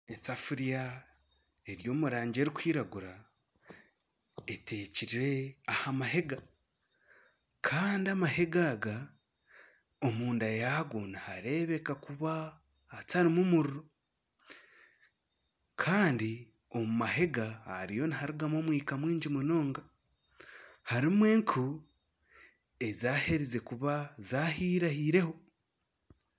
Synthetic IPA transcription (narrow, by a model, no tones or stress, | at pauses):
esafuɾija | e̞ɾjo̞ːmuɾaːɲɟe̞ɾikʷwiːɾaɡuɾa | e̞te̞ːciɾiɾe̞ahamaɦe̞ɡa | kʰaːndiamahe̞ɡaːɡa | omuːndajaɡo̞nihaɾe̞βe̞kakuβaː | taɾimumuɾiɾo | kʰaːndi | o̞mumahe̞ɡa̰ːɾijo̞nihaɾiɡamo̞mwiːkamwiːɲɟimuno̞ːŋɡa | haɾimwe̞ːŋkʰu | e̞zaːhe̞ɾize̞kuβazaːhiːɾahiːɾe̞ho̞